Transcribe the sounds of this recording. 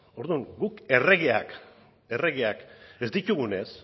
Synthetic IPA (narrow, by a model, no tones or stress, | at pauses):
o̞ɾðuŋɡuke̞reɣeak | e̞re̞ɣeakezd̪it̪uɣune̞s